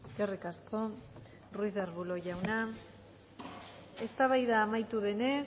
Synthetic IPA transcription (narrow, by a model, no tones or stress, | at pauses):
eskerikasko̞ | ruiðeɾβulo̞ʝawna | e̞st̪aβajðaːmajt̪uðe̞ne̞